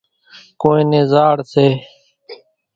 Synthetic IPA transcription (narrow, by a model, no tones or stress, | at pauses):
koːẽːnẽːzaːɽseː